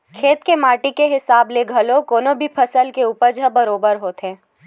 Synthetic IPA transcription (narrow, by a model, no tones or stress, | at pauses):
kʰeːt̪kemaːʈikeɦɪsaːbleɡʱəlokoːnobʱipʰəsəlkeuːpəɾd͡ʒʱəbɐɾoːbəɾɦoːt̪ẽː